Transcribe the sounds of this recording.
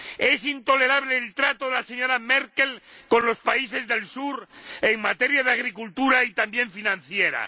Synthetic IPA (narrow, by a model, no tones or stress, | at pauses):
e̞sint̪o̞le̞ɾaβle̞ːlt̪ɾat̪oðelase̞ɲo̞ɾameɾke̞lko̞nlo̞spais̬e̞zðe̞lsuɾe̞ŋmat̪e̞ɾjaðeaɣ̞ɾikult̪uɾait̪ambje̞ɱfinãnθje̞ɾa̰